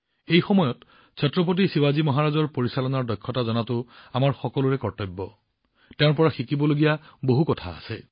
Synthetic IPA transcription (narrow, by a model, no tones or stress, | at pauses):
ejxɔmɔjɔt | sʰɔtɹɔp̬ot̬isiwazimɔɦaɹazɔɹpoɹisalɔnaɹdɔjkʰːɔtazɔnatʊamaɹxɔkɔlʊɹɛkɔɹtɔjbːɔ | teʊ̃ɹpɔɹaxikibɔloɡijaboɦukɔtʰaa̰sɛ